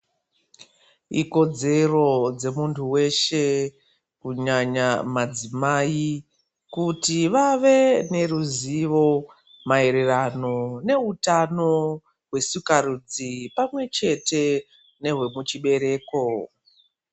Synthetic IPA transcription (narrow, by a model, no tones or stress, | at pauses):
ḭko̞d͡ze̞ro̞d͡ze̞muntʰuwe̞ʃe | kuɲaɲamad͡zimai | kutiʋaʋe̞ne̞ruziʋo̞ | mae̞ɾe̞rano̞ne̞utano̞ | ɦwe̞sukarud͡zipamwe̞t͡ʃe̞te̞ | ne̞ɦwemut͡ʃiɓe̞ɾe̞ːko